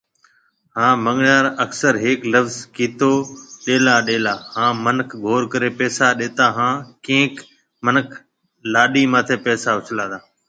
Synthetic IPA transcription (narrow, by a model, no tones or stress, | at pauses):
hãːməŋɳaːɾəksəɾɦeːkləʋzkiːt̪oːɗeːlaːɗeːlaːhãːmənəkʰɡʱoːɾkəɾeːpɛːsaːɗeːt̪aːɦãːkẽːk | mənəkʰ | laːɗiːmãːt̪ʰeːpɛːsaːʋʊt͡ʃʰəlãːd̪aː